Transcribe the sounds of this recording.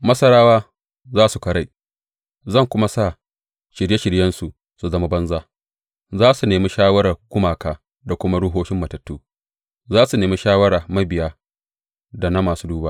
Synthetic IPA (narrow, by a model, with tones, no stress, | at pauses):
mɐ˦sɐ˦ɽaː˦waː˦ | zaː˦su˨kɐ˨ɽa˨ | zɐ˦˨ŋkʷʊ˦ma˦saː˦˨ | ʃɪ˨ɽje˦ʃɪ˨ɽjɐ˦nsu˨ | su˨zɐ˦ma˦bɐ˦nzaː˦ | zaː˦su˨neː˨mi˦ʃaː˦wɐ˦ɽa˨ɡ̥ʷʊ˦maː˨kaː˦ | da˨kʷʊ˦ma˦ɽʊ˦ɦoː˦ʃɪ˦mːɐ˨tɐ˨tːuː˦ | zaː˦su˨neː˨mi˦ʃaː˦wɐ˦ɽaː˨mɐ˦bɪ˨jaː˦ | da˨na˦maː˨suː˦duː˦ba˦˨